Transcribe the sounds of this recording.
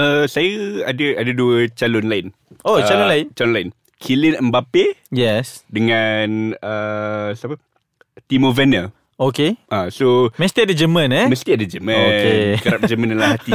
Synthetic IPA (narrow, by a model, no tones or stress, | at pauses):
əsajəadəadəduət͡ʃalonlaɪn | ot͡ʃalonlaɪnt͡ʃalonlaɪn | kʰilinɛ̃nbapejɛsdəŋãnəsapə | t̪imovɛnə | okeʔasomə̃st̪iadad͡ʒəmə̃nɛməst̪iadad͡ʒəmə̃okekəɾap̚d͡ʒəmãndɛnlahɦat̪i